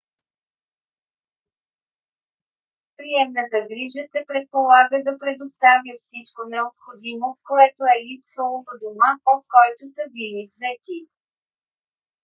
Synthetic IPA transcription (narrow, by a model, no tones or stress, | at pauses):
pɾiɛmnət̪əɡɾiʒəsɛpɾɛt̪̚polˠaɡəd̪ɐpɾɛd̪ost̪avʲjəfsit͡ʃkonɛopxod̪imokoɛt̪oɛlipsvəlˠovəd̪omaot̪̚kɔjt̪osəbilivzɛt̪ʲi